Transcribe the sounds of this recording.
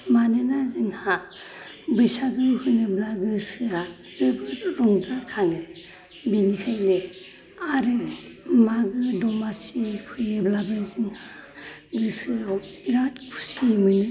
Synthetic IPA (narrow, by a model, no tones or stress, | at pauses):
manenazɯŋha | bɯjsaɡɯwhɯneblaɡɯsɯa | z̥ɯbɯɾɔŋzaɾkʰaŋe | binikʰajne | aɾɯmaɡɯdɔmasipʰɯjeblabɯzɯŋhaɡɯsɯawiɾatpʰu̥simɯni